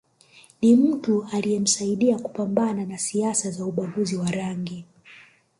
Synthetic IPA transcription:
nim̩tualijɛm̩saiɗiakupambananasiasazauɓaɡuziwaɾaŋɡi

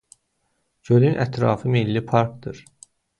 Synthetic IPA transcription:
d͡ʒølynʔæt̪ʰɾɑ̰ːfɯmilːipʰɑɾk̚d̪ɯɾ

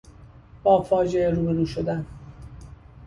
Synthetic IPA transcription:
b̥ɒːfɒːd͡ʒeeɾuːbe̞ɾuːʃo̞d̪æn

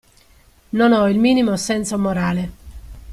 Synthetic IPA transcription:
nonɔilmiːnimosɛnt̪somoɾaːle

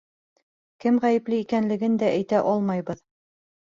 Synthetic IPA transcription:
kɘmʁæjɘ̆plɘikænlɘ̆ɡɘnd̪æʔæjt̪æʔɒlˠmɑjβɤð

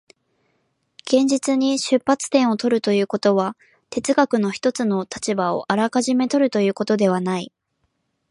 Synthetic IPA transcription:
ɡ̥ẽ̞ɲ̟d͡ʑit͡sɨɲ̟iɕɨpːat͡sɨ̥t̪ẽɰ̃o̞t̪o̞ɾɯ̟t̪o̞jɯ̟ːko̞t̪o̞βa | t̪e̞t͡sɨɡakɯ̟no̞çi̥t̪o̞t͡sɨno̞t̪ʰat͡ɕibao̞̰ʔaɾakaʑime̞t̪o̞ɾɯ̟t̪o̞jɯ̟ːko̞t̪o̞d̪e̞β̞anai

